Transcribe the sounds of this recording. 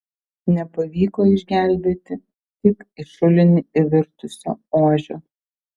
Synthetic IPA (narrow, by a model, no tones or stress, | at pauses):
nʲɛpɐʋʲiːkoːɪʒʲɡʲæˑlʲbʲeːt̪ʲɪ | t̪ʲɪkɪʃʊlʲɪnʲɪɪʋʲɪɾt̪ʊsʲo̰ːoːʒʲoː